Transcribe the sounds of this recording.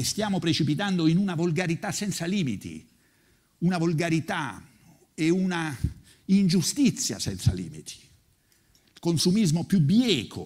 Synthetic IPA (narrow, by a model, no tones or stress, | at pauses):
st̪jaːmopɾet͡ʃipit̪and̪oinunavolɡaɾit̪asɛnt̪saliːmḭt̪ḭ | unavolɡaɾit̪a | euna | ind͡ʒust̪it̪sːja̰sɛ̰nt̪sa̰lḭːmḭt̪ʰi̥ | lkonsumizmopjubjɛːkʰo̰